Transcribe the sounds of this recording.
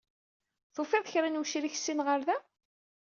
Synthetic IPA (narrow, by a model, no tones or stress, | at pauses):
θofɪðˤçɾænuʃɾiç̥sːinʁəɾðæ